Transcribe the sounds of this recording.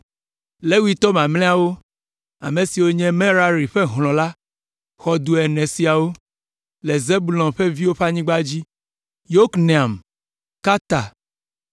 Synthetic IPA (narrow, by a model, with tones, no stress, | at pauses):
le˦wi˦t̪ɔ˦mã˨mlɛ̃˦a˨wo˦ | a̰˨mẽ˨si˨wo˦ɲɛ̃˦mẽ˦ɾa˦ɾi˨ɸe˦ɦlɔ̃˨la˦ | xɔ˨d̪u˨ɛ˨nɛ̃˨si˨a˨wo˦ | le˨ze˦bu˨lɔ̃˨mɸe˦vi˦wo˦ɸa˦ɲĩ˦ɡ͡ba˦d͡ʑi˦ | jo˦kne˨a˨m | ka˦t̪a˨